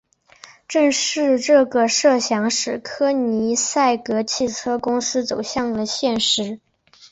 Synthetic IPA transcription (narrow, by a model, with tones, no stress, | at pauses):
ʈ͡ʂə˥˧ŋʂɻ̩˥˧ʈ͡ʂɤ˥˩ɡə˩ʂɤ˥˩ɕjɑ˧˥ŋʂɻ̩˨˩kʰɤ˥ni˧˥sa˥˩ɪkɤ˧˥t͡ɕʰi˥˩t͡sʰɤ˥kʊ˥ŋsɹ̩˥t͡so˨˩ʊɕjɑ˥˩ŋd̪ə˩ɕjɛ˥˩nʂɻ̩˧˥